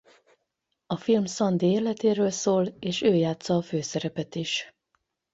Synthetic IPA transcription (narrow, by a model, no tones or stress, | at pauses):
ɒfilmsɒnd̪eeːlɛt̪eːɾøːlsoːleːʃøːjaːt̪sɒːføːsɛɾɛpɛt̪iʃ